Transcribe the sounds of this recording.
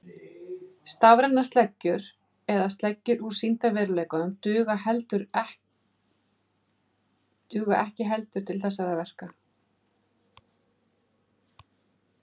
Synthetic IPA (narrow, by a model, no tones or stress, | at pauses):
st̪avɾɛnːast̪lɛcːʏɾ̥ | ɛðast̪lɛcːʏɾuɾ̥sin̥t̪avɪɾʏleːjkʏnʏmt̪ʏːɣaɦɛlt̪ʏɾ | t̪ʏːɣaʔɛhcɪɦɛlt̪ʏɾ̥t̪ʰɪlθɛsːaɾavɛr̥ka